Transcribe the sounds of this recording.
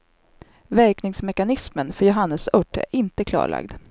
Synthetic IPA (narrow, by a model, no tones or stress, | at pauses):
væɾknɪŋsmɛkanɪsmənfœɾjʊɦanːəsɵʈːæ̰ɾɪnt̪əkʰlɑ̰ːɭʔa̰ɡd̪